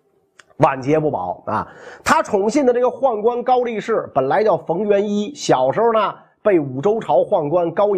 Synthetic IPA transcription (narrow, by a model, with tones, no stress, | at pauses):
wa˨˩nt͡ɕjɛ˧˥pu˥˩pɑ̰˨˩˦ʊɐ̰˧t̪ʰa˥ʈ͡ʂʰʊ˧˥ŋɕɛ˥˩nd̪ə˩ʈ͡ʂɤ˥˩ɡə˩xwa˥˩nkwa˥nkɑ˥ʊli˥˧ʂɻ̩˥˩pə˨˩nla˧˥ɪt͡ɕjɑ˥˩ʊfɤ˧˥ŋɥɛ˧˥ni˥ɕjɑ˨˩ʊʂɻ̩˧˥xo˧nə˧ | pe˥˩ɪu˨˩ʈ͡ʂo˥ʊʈ͡ʂʰɑ˧˥ʊxwa˥˩nkwa˥nkɑ˥ʊ